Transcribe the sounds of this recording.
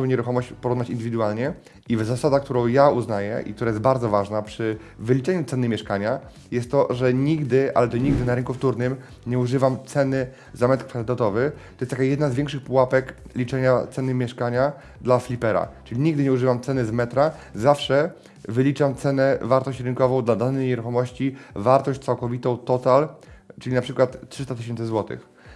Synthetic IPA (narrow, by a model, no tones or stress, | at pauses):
ɔ̃w̃ɲɛɾuxɔmɔɕt͡ɕpɔɾuvnat͡ɕind̪ɘvʲid̪ualɲɛ | ivzasad̪ak̚t̪uɾɔ̃w̃jauznajɛ̰ʔḭk̚t̪uɾajɛsbaɾd̪zɔvaʐnapʂɘ | vɘlʲit͡ʂɛɲut̪sɛnɘmʲjɛʂkaɲa | jɛst̪ːɔʐɛɲiɡd̪ɘʔa̰lɛt̪ɔɲiɡd̪ɘnaɾɘŋkuft̪uɾnɘm | ɲɛuʐɘvamt̪sɛnɘ | zamɛt̪kfalɘt̪at̪ɔvɘt̪ɔjɛst̪akajɛd̪nazvʲjɛŋkʂɘxpuwapɛklʲit͡ʂɛɲat̪sɛnɘmʲjɛʂkaɲa | d̪laflʲipɛɾa̰t͡ʂɘlʲiɲiɡd̪ɘɲɛuʐɘvamt̪sɛnɘzmɛt̪ɾa | zafʂɛ | vɘlʲit͡ʂamt̪sɛnɛvaɾt̪ɔɕt͡ɕɾɘnkɔvɔ̃w̃d̪lad̪anɛjɲɛɾuxɔmɔɕt͡ɕivaɾt̪ɔɕt͡ɕʲtsawkɔvʲit̪ɔ̃w̃t̪ɔt̪alt͡ʂɘlʲinapʂɘkwat̪tʂɘst̪at̪ɘɕ̬ɛnt̪sɘzwɔt̪ɘ̰x